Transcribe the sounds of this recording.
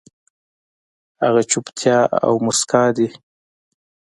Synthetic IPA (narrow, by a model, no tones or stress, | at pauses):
haɣat͡ʃupt̪ʰjɑa̰wmʊskɑd̪i